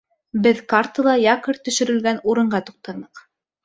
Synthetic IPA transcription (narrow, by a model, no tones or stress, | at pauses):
bɘðkart̪ɤ̆lˠɑjɑqɤɾt̪ɵ̆ʃɵ̆ɾɘ̆lɡænuɾɤ̆ɴɢɑt̪uq̚t̪ɑnɤq